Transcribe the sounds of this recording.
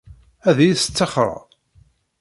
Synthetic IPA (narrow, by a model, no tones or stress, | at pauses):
æðjisə̥t͡sːɑχɾˤɑ̰